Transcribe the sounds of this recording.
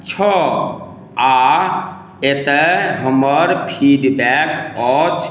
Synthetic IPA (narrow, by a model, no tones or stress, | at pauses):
t͡ʃʰɔ | a | et̪ɛɦəməɾpʰiɖbɛkɔt͡ʃʰ